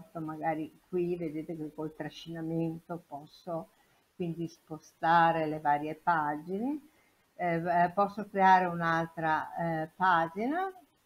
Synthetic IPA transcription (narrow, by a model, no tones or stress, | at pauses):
t̪omaɡaːɾikwived̪eːt̪ekekːolt̪ɾaʃːinament̪opɔsːo | kwind̪ispost̪aːɾelevaːɾjepad͡ʒine | pɔsːokɾeaːɾeunalt̪ɾapaːd͡ʒina